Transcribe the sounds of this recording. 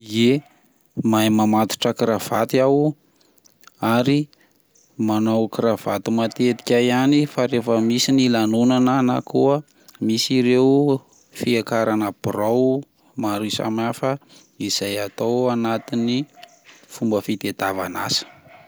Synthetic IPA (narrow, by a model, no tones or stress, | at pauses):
ie | majmamat̪u̥ʈ͡ʂəkɾav̥at̪iaw | aɾi | manowkɾav̥at̪imat̪et̪i̥kʲajanifaɾefəmisinilanunanənakuə | misiɾew | fiakaɾanəb̥ɾaw | maɾisa̰mafə | iz̥ajat̪owanat̪ini | fumbəfit̪ed̪ava̰nasə̥